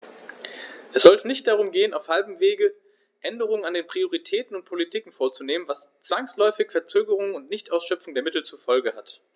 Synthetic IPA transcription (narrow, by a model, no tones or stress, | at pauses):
ʔɛsz̥ɔltʰənɪçt̚d̥aʁʊmɡeːənaʊfhalbm̩veːɡə | ʔɛndəʁ̞ʊŋənandeːnpʁ̥ioʁ̞itʰɛːtn̩ʊnt̚pʰolitʰiːkŋ̩foːɐt͡suneːmənvast͡sv̥aŋslɔʏfɪçfɛɐt͡søːɡəʁ̞ʊŋʊntnɪçtʔaʊsʃœpp͡fʊŋdeːɐmɪtl̩t͡sufɔlɡəhat